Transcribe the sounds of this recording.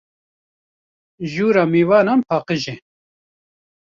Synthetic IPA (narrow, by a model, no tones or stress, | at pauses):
ʒuːɾaːmiːwɑːnanpʰɑːqəʒɛ